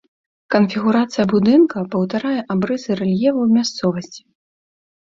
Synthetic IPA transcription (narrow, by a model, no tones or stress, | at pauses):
kɐnfʲiɣuɾat̪sɨjɐbud̪ɨnkɐpɐwt̪aɾajɛʔabɾɨzɨɾɛlʲjɛvɐwmʲast̪sɔvɐsʲt͡sʲi̥